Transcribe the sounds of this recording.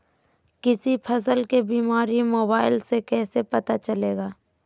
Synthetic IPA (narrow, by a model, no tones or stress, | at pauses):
kɪsipʰɐs̬əlkebiːmaːɾimoːbaːɪlsekɛːsepɐt̪at͡ʃɐleːɡaː